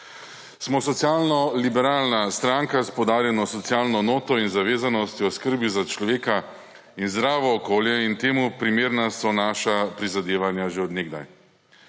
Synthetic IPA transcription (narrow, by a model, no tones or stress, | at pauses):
smɔsɔt̪sjaːlnɔlibɛɾaːlnast̪ɾaŋkaspɔwd̪aːɾjɛnɔsɔt̪sjaːlnɔnoːt̪ɔinzaʋeːzanɔst̪iɔskəɾbizat͡ʃlɔʋeːka | inzd̪ɾaːʋɔːkoːljɛint̪eːmupɾimeːɾnasɔnaːʃapɾizad̪eːʋanjaʒeɔd̪neɡd̪a̰j